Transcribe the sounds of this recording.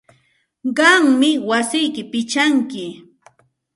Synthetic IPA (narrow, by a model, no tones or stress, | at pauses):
ɢɑŋmɪwasɪjkɪpɪt͡ʃaŋkɪ